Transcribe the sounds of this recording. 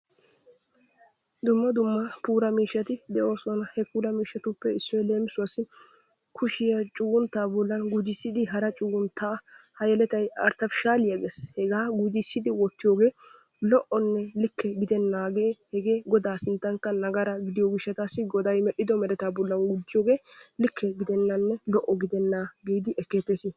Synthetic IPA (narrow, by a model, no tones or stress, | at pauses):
d̪ʊmːɐd̪ʊmːɐpuːɾɐmiːʃːɐt̪ɪd̪ɛʔo̞ːsɔnɐhɛpuːɾɐmiːʃːɐt̪ʊpːɛɪsːɔjleːmɪsʊɐsɪ | kʰʊʃɪjɐt͡ʃʼʊɡʊnt̪aːbɔlːɐnɡʊd͡ʒɪsːɪd̪ɪɦɐɾɐt͡ʃʼʊɡʊnt̪aːhɐjɛlɛt̪ɐjɐɾt̪ɐfʃaːlɪjɐɡeshɛɡaːɡʊd͡ʒɪsːɪd̪ɪwɔt̪ːɪjoːɡe̞ː | lɔʔɔnːɛlɪkʰːɛɡɪd̪ɛnːaːɡeːhɛɡe̞ːɡɔd̪aːsɪnt̪ːɐŋkːɐnɐɡɐɾɐɡɪd̪ɪjoːɡɪʃːɐt̪aːsːɪɡɔd̪ɐjmɛʔːɪd̪ɔmɛɾɛt̪aːbɔlːɐnɡʊd͡ʒːɪjoːɡe̞ːlɪkʰːɛɡɪd̪ɛnːɐnːɛlɔʔɔɡɪd̪ɛnːaːɡiːjd̪ɪʔɛkːeːt̪ːeːsɪ